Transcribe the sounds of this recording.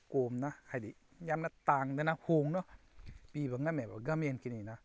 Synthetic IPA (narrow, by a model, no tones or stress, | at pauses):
koːmnahajdi | jamnat̪aːŋdanahoŋnɔ | piːbaŋamɛbaɡamenkinina